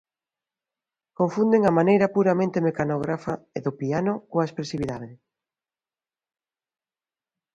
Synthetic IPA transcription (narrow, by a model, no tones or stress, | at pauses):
koɱfund̪eŋɐmanejɾɐpuɾamẽnt̪emekanoɣɾafaeðʊpianʊkoɐespɾesiβiðaðɪ